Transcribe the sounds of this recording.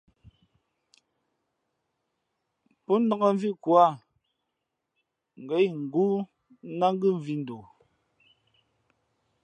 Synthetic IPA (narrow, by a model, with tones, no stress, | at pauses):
pɔ˦n̩˦da˦ɣa˦ɱ˦vi˦kwa˦˨ | ŋ̩˨ɡɛ˨˦jŋ̩˨ɡu˦ | na˦ŋ˦ɡɯ˦˨ɱ˨vi˦n̩˨do˨